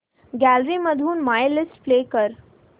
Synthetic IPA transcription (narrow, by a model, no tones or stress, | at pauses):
ɡælɾimɐd̪ʱuːnmaːjlɪsʈfleːkəɾ